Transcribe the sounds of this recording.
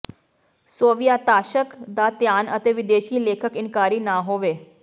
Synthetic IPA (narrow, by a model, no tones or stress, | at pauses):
soʋijat̪aʃəkd̪at̪janət̪eʋɪd̪eʃiːlekʰəkɪnkaɾiːnaɦoʋe